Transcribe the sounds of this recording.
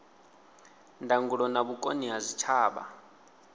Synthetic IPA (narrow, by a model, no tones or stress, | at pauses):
ndʱaŋɡuɺɔnaβukʼoniɦazʷit͡ʃʰaːɓa̰